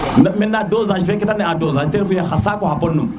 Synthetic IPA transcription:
nmenadozaʃifekitaneadozaʃieɾfujahasakohapolnum

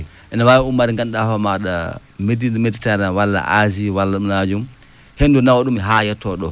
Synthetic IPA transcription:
ʔɛnawawiumːaɾiŋɡanɗafamaɗa̰ | medindmeditɛɾnawalːa̰ʔaziwalːanad͡ʒum | hendunawɔɗumiɦajɛtːɔɗɔ

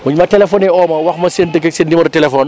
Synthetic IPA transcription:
muɲmɐtɛlɛfɔːnɛɔːmɐwɐxmɐsentəkɛksendimɐɾtɛlɛfɔːn

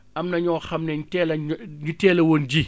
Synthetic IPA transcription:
ʔɐmnɐɲɔːxɐmnɛɲtɛlɐɲutɛːlɐwoːnd͡ʒi

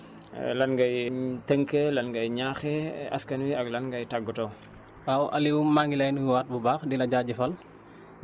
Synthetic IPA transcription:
lɐnɡɐjtəŋkəlɐnɡɐjɲaxɛɐ̰skɐnwiɐklɐnɡɐjtaɡːutɐw | wawʔɐliwumaŋɡilɐjnuwaːt̚bubaːxdilɐɟaːɟɛfɐl

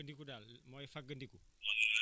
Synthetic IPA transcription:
əndikudalmɔefak̚ɡəndiku

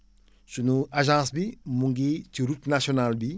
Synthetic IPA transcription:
sunuaʒãːsbimuŋɡit͡ʃiɾutnasonalbi

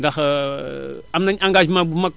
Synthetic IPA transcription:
dax | amnaɲaŋɡad͡ʒmabumak

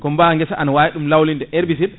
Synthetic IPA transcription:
kɔmbaŋɡɛsaʔanawajiɗumlawlindɛʔeɾbis̬iɾ

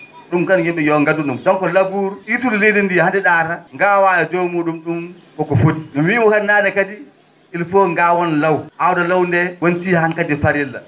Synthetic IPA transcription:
ɗumkanjimɓɛjɔŋɡadunɗumdɔŋkɔlabuɾit̬ulilejdindihandɛɗataŋɡawajadɔmuɗumɗum | kɔkɔfodiɗummimɔkannaːnɛkadi | ilfoŋɡawɔnlawʔawdalawndɛwontihaŋkadifaɾɛlːa̰

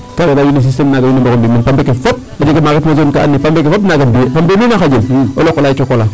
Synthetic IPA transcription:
kaɡadajunes̬istemnaɡajunambokombimanpambekefot̚ | ad͡ʒekemaɡetmozonkaʔa̰nːipambekefotnaɡambipambelunaxaɟelolokolat͡ʃokola

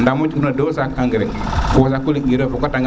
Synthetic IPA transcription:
ndamut͡ʃkunadosakaŋɡɾe | kːsakuliŋiɾefokotaŋɡ

